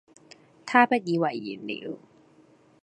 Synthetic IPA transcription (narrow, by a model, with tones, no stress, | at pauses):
t̪ʰaː˥˩pa˧˦˩i˧˨wa˧˨ʔḭ˨˩˦nlḭ˨˩˦